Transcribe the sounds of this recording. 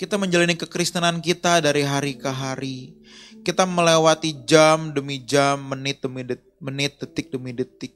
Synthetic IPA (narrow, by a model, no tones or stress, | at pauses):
kit̪aməɲd͡ʒalanikəkɾist̪ənankit̪adaɾiɦaɾikəɦaɾi | kit̪aməlewat̪id͡ʒamdəmid͡ʒamːənɪt̪̚dəmidə | mənɪt̪̚dət̪ɪk̚dəmidət̪ɪk̚